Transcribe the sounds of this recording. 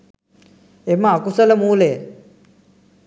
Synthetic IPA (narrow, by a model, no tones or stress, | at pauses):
eməakusələmuːleː